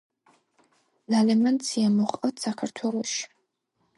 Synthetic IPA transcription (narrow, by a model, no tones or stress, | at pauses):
lalɛmant͡sʰiamɔχʼɐtsakʰart̪ʰwɛlˠoʃ